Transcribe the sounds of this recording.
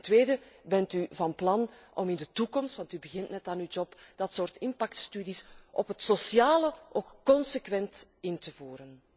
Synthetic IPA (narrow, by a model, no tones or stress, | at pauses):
ntʋeːdəbɛntyvɑnplɑnʔɔ̰mɪndətukɔmstʋɑntybəɣɪntnɛtaːnywd͡ʒɔpd̥ɑtsoːrtɪmpɑktstydisʔɔpɦətsosjaːləokkɔnsəkʋɛntɪntəvuːɾən